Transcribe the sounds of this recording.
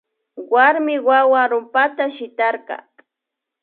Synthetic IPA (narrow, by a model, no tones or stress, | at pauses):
waɾmɪwawaɾʊmpat̪aʃɪt̪aɾqɑ̰